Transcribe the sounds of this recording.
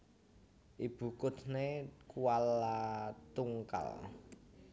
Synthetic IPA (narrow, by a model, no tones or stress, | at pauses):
ʔib̥ṳkʊt̪nekuwalat̪uŋka̰l